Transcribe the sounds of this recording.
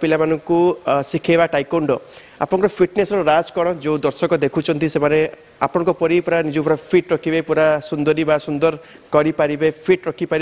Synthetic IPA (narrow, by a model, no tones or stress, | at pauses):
pilamanɔŋkusikʰebaʈajkoɳɖɔ | a̰pɔɽ̃ɔŋkɔɾɔpʰiʈnesɔɾɔɾad͡ʒkɔɽ̃ɔd͡ʒew̃d̪ɔɾsɔkɔd̪ekʰut͡ʃʰɔnt̪isemane | a̰pɔɽ̃ɔ̃ŋkɔpɔɾipuɾanid͡ʒɔpɔɾapʰiʈɾɔkʰibajpuɾasund̪ɔɾibasund̪ɔɾ | kɔɾipaɾibepʰiʈɾɔkʰipaɾi